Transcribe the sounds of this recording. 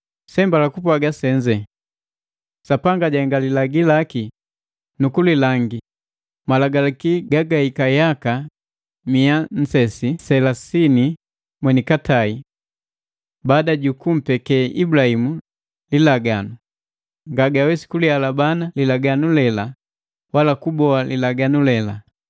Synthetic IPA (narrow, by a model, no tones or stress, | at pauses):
sɛmbalakupwaɡasɛɲd͡ʒɛ | sapaŋɡaɟaŋɡalilaɡilaki | nukulilaŋɡi | malaɡalakiɡaɡaikajaka | mian̩sɛsisɛlasini | mwɛnikatai | baːdaɟukum̩pɛkɛʔibulahimu | lilaɡanu | ŋɡaɡawɛsi̥kulialabanalilaɡanulɛla | walakubɔalilaɡanulɛla